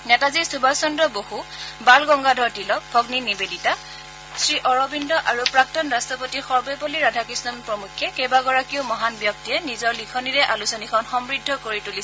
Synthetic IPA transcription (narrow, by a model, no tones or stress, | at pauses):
nɛtazisubʱasɔndɔbohubalɡɔŋɡadʱɔɹtilɔk̚bʱɔɡninibedita | sɹiʔɔɹɔbindɔʔaɹupɹak̚tɔnɹastɔpotixɔɹbɛboliɹadʱakismɔnpɹɔmukʰːɛkejbaɡɔɹakiʊmɔɦanbjɔk̚tijɛnizɔɹlikʰɔniɹɛʔalusɔnikʰɔnxɔmɹidʱːɔkoɹitulis